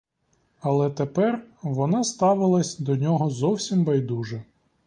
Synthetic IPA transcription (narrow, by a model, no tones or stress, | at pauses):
ɐlˠɛt̪epɛrʋɔnɑst̪ɑʋɪlˠɐsʲd̪ɔnʲɔɦɔzɔwsʲimbɐjd̪uʒɛ